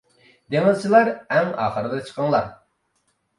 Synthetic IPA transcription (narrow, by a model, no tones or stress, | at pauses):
d̪eŋɨzt͡ʃʰilˠɑɾɛŋɑ̰ːχəɾɨd̪ɑt͡ʃʰə̥qʰɑŋlˠɑɾ